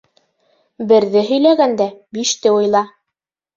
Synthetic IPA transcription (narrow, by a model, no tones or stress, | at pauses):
bɘ̆ɾðɘɦɵ̆jlæɡænd̪æbiʃt̪ɘŭjlˠɑ